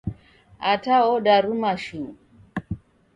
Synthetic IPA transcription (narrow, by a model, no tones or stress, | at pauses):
ataɔdaɾumaʃu